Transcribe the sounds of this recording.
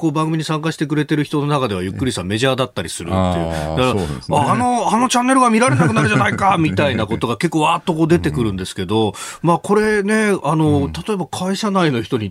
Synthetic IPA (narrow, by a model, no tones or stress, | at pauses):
koːbãŋɡɯmʲiɲisãŋkaɕi̥t̪e̞k̬ɯ̟ɾe̞t̪e̞ɾɯ̟çi̥t̪o̞nonakad̪e̞β̞ajɯ̟kːɯ̟ɾʲisame̞ʑaːd̪at̪ːaɾʲisɨɾɯ̟̰t̪ːe̞jɯ̰d̪akɾaaːno̞ano̞t͡ɕãnːe̞ɾɯ̟ɡamʲiɾaɾe̞nakɯ̟naɾɯ̟ʑanaikamʲit̪ainako̞t̪o̞ɡake̞kːoːβaːt̪ːo̞ko̞ːd̪e̞t̪e̞kɯ̟ɾɯ̟̃nd̪e̞sɨ̥ke̞d̪o̞maːko̞ɾe̞ne̞ano̞t̪at̪o̞e̞bakʰaiɕanaino̞çi̥t̪o̞ɲ̟i